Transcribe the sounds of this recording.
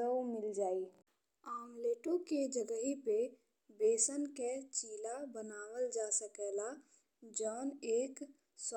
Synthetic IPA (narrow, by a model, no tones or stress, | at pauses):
əwmɪld͡ʒaːi | aːmleːʈõked͡ʒəɡəɦipe | beːsənket͡ʃiːlabənaːwəld͡ʒaːsəkɛla | d͡ʒɔːneːk | s